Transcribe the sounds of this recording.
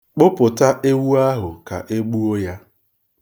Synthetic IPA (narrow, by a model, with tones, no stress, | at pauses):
k͡pʊ˦pʊ˨ta˦ʔe˦wu˦a˦ɦʊ˨ka̰˨ʔe˦ɡ͡bu˦o˦ja˦